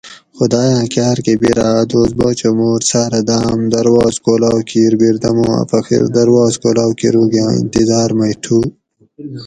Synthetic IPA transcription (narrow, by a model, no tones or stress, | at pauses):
xud̪aːjãːkjaːɾkebiɾaːd̪oːzbot͡ɕomoːɾsaːɾɐd̪aːmd̪ɐɾwaːzkoːlaːwkʰiːɾbiɾd̪ɐmõːɐ̰pɐxḭɾd̪ɐɾwaːzkoːlaːwkḭɾuːɡjãːḭ̃nt̪izaːɾmɐjʈʰuː